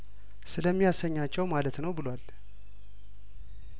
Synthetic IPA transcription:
sɨləmːijasəɲːat͡ʃːɛwmalət̪nəwbɨlwal

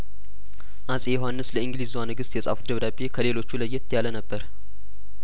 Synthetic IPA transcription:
ʔasʼejɦanːɨsləɨŋɡlizwanɨɡɨst̪jɛsʼa̰fut̪d̪əβd̪abekʰəle̞lo̞t͡ʃːuləjːɛt̪ʰːjalənəbːəɾ

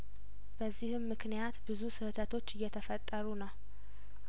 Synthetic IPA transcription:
b̥əzːihɨmːɨknijat̪bɨzusɨhɨt̪ʰət̪ʰo̞t͡ʃːɨjːɛt̪ʰəfət̪ʼːəɾunəw

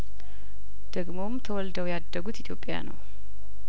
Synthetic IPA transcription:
d̪̥əɡmo̞mt̪ʰəwɔld̪əwjad̪ːəɡut̪it̪ʰjo̞pʼːja̰nə̰w

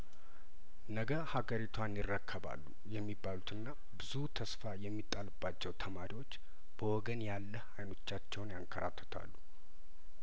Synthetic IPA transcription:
nəɡəhaɡəɾit̪ʰwanjɪrːəkʰːəβa̰lːu | jɛmːibːalut̪ɨnːa | bɨzut̪ʰəsfajɛmːit̪ʼːalɨbːat͡ʃːɛwt̪ʰəmaɾiwot͡ʃː | b̥əwɔɡənjalːəhajno̞t͡ʃːat͡ʃːɛwnjaŋkʰːəɾa̰t̪ʰːə̥t̪ʰa̰lːu

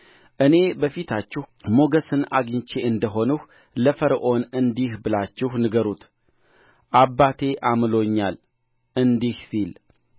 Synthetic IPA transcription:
ʔɨne̞bəfit̪ʰat͡ʃːɪhmo̞ɡəsɨna̰ɡɨɲt͡ʃe̞ɨnd̪əɦo̞nuh | ləfəɾʔo̞nɨnd̪ihbɨlat͡ʃːɪhnɨɡəɾut̪ | ʔabːat̪ʰe̞ʔamlo̞ɲːal | ɨnd̪ihsil

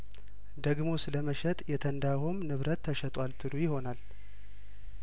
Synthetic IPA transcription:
d̪əɡmo̞sɨləməʃɛt̪ʼjɛt̪ʰənd̪ahomnɨβɾət̪ʰːəʃɛt̪ʼwalt̪ʰɨlujɪho̞nal

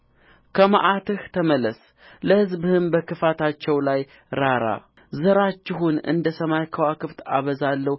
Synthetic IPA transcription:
kʰəma̰ʔat̪ɨht̪ʰəməlːəs | ləhɨzbhɨmbəkʰɨfat̪ʰat͡ʃːɛwlaj | ɾaɾa̰ | zəɾat͡ʃːɪɦunɨ̰nd̪əsəmajkʰəwakʰɨft̪ʰaβəzalːəh

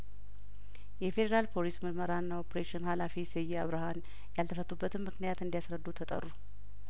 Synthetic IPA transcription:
jɛfe̞d̪eɾalpʰo̞lisməɾməɾaɨnːaopɾeʃɪnhalafisɛjːɛaβɾɨhan | jalt̪ʰəfət̪ʰʼːubːət̪ʰɨnmmɨknijat̪ɨnd̪ijasɾəd̪ːut̪ʰət̪ʼə̰rːu

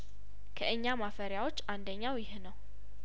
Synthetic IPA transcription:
kʰəʔɨɲːamafəɾjawo̞t͡ʃːand̪əɲːawjɪhnəw

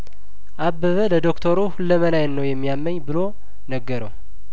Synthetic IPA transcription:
ʔabːəβələd̪o̞kt̪ʰəɾuhulːəmənajnnəwjɛmːijamːəɲːbɨlo | nəɡːəɾəw

